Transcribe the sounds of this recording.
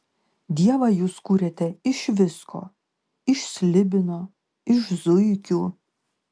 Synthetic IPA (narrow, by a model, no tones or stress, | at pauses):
d̪ʲiɛʋɐjuːskuːɾʲet̪ʲɛɪʃʋʲɪskʰo̰ː | ɪʃsʲlʲɪbʲɪnoː | ɪʃzʊjkʲu